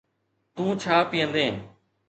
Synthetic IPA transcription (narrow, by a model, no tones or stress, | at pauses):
t̪ũːt͡ʃʰaːpijə̃nd̪ẽː